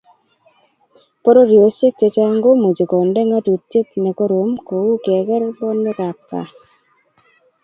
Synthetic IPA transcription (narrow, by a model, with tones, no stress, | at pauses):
po˦ɾo˦ɾjo˨se˦k̚t͡ʃe˨˧t͡ʃa˦ŋɡo˦mu˨d͡ʒe˨kɔ˨ndɛ˦ŋa˦tu˨tːɪ˦tnɛ˨ko˦ɾo˨˦mko˨wu˦kɛ˨kɛ˦ɾbɔ˦no˦ka˨pːa̰˨